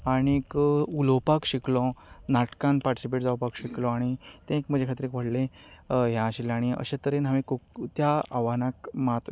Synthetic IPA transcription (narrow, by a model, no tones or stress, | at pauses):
aɽ̃ikulopakɕiklɔ̃naʈkãnpaɾʈisipeʈd͡zawpakɕiklɔ̃aɽ̃it̪ẽekm̤əd͡ʑʱekʰat̪ɾekʋəɽlẽ | ɦjãəɕilaɽ̃iə̰ɕẽt̪əɾenɦamẽkokt̪jaaʋanãkmat̪